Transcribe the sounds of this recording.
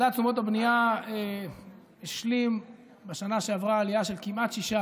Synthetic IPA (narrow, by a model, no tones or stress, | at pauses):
dat͡sumo̞tabnijae | eʃlim | beʃanaʃeavʁaːliaʃe̞lkimʔat̪ʃiʃa